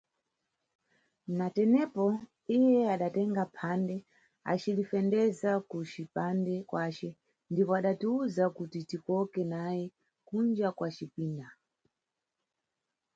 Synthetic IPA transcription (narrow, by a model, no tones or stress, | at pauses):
natɛnɛpɔ | ijɛaɗatɛŋɡapʰandɛ | a̰t͡ʃilifɛndɛzakut͡ʃipandɛkwat͡ʃɛ | ndipɔaɗatiuzakutitikɔkɛnajɛ | kund͡ʒakwat͡ʃipiːnda